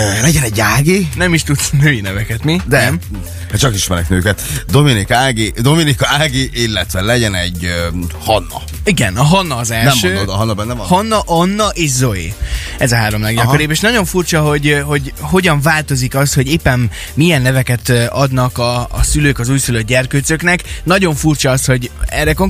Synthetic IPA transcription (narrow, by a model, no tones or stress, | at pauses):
lɛɟɛnɛɟːaːɡinɛmiʃt̪ut̪snøːjinɛvɛkɛt̪mid̪ɛm | hɛt͡ʃɒkiʃmɛɾɛ̰knøːkɛt̪d̪o̞minikaːɡid̪o̞minikɒaːɡiʔilːɛt̪ʋɛlɛɟɛnɛɟhɒnːɒ̰ | iɡɛnɒɦɒnːɒːzɛlnɛmʃøːd̪od̪ɒɦɒnːɒbɛnːɛmhɒnːɒʔɒnːɒʔeːʃzo̞ḛː | ɛzɒɦaːɾo̞mlɛɡjɒɾeːbeːʃnɒɟo̞ɱfurt͡ʃɒɦo̞ɟɦo̞ɟho̞ɟɒɱvaːlt̪o̞zikɒst̪ho̞ɟeːpːɛmː | ijɛnːɛvɛkɛt̪ɒd̪nɒkɒ̰ːsyløːkɒzuːjsyløɟɛrkøːt̪søknɛknɒɟo̞ɱfurt͡ʃɒɒst̪ho̞ɟɛrːɛkoŋ